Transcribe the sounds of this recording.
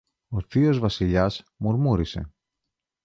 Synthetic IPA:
oθio̞zvɐsiʎɐsmuɾmuɾise̞̰

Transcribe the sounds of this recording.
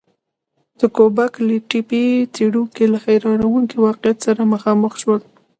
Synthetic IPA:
d̪̥əkobakləʈipit͡seɽuŋkelaxajɾɑɾawuŋkiwɑqɪjat̪saɾaməxɑməxʃwəl

